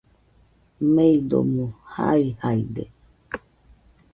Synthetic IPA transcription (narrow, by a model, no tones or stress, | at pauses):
mẽid̪o̰mũha̰ihaide